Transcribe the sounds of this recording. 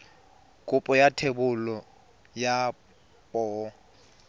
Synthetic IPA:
kʼʊpʼɔjatʰebʊlɔ | ja | pʼɔː

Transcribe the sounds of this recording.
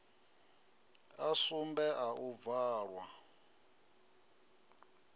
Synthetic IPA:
asumbɛʔaʔub̪vaːɺwa

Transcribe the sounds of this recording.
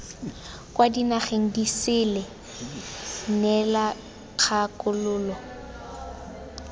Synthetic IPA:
kwadinaχeŋ̩disɪlɛ | nɛla | k͡xʰakʼʊlʊːlɔ

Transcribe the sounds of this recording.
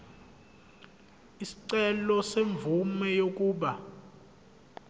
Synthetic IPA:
isi̥ǀɛlɔseɱb̪vumɛjok̬ʼuːɓa

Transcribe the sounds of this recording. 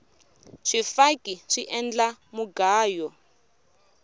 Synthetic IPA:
ʂifakʼiʂiʔɛnd͡ɮamuɡaːjɔ

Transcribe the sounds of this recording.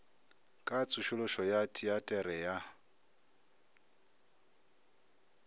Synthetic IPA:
kʼat͡sʰʊʃʊlʊʃɔjatʰʼiatʼɛɾɛja

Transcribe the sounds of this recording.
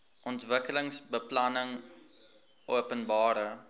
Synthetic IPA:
ʔɔntvəkələŋsbəplɐnəŋ | ʔuəpənbɑːɾə

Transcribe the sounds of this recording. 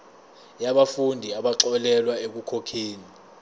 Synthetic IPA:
jaɓafundʱiaɓaǁɔlɛlwaek̬ukʰokʰeːni

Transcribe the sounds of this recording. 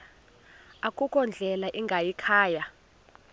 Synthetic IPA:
akʼukʼɔnd͡ɮʱɛlaʔiŋɡʱajikʰaːja

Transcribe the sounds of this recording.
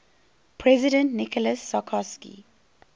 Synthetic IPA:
pʰɹɛzɪdə̃ntnikɔləsːakʰɔskḭ

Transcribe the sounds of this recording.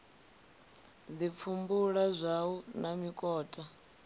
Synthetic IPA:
dip̪fʰumbuɺazʷawunamikʼɔːtʼa

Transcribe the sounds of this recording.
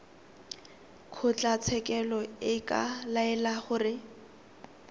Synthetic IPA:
kʰʊt͡ɬat͡sʰɛkʼɛlɔɪkʼa̰laɛlaχʊːrɪ

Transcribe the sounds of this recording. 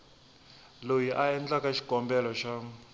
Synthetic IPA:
lojiʔaɛnd͡ɮakaʃi̥ɡʱɔmbɛlɔʃa

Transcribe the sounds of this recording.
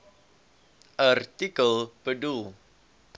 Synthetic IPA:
ʔart̪ikəlpədu

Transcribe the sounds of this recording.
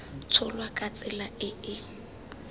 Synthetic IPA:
t͡sʰʊlwakʼat͡sʼɪlaɪɪ

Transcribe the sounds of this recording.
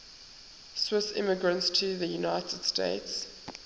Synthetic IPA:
swɪsɪ̰məɡɹə̃ntstʰuðəjunaɪtʰəd̥stḛɪts

